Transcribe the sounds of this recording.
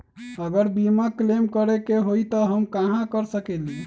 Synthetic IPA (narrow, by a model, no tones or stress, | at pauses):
əɡəɾbimaklemkəɾekeɦojt̪ɔɦəmkaɦãkəɾsəkɛli